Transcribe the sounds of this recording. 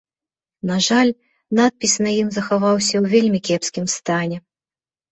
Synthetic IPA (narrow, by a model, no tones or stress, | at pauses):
naʐalʲ | nat̪̚pʲisʲnɐjimzɐxavawsʲɐwvʲelʲmʲikʲɛpskʲimst̪anʲɛ